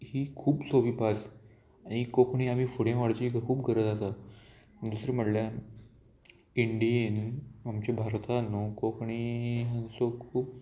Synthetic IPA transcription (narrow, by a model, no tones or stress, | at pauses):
hiːkʰuːpsoʋipas | aɽ̃ikokɳ̃iam̤iːfuɽẽʋaɽt͡ɕiɡkʰuːpɡʱəɾəd͡zat̪a | d̪usɾem̤əʈlja | iɳɖiənamt͡ɕebʱaɾt̪ʰanokokʰɳiɦãsokʰuːp̚